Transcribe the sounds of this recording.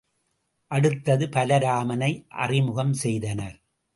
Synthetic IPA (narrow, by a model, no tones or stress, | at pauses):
ʔɐɽɯt̪ːɐðɯpɐlɐɾaːmɐnɐɪʔɐ̰rɪmʊɣɐmsɛjðɐnɐɾ